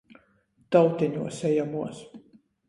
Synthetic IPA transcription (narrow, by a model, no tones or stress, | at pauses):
t̪awt̪ʲiɲuɔsɛjamuɔs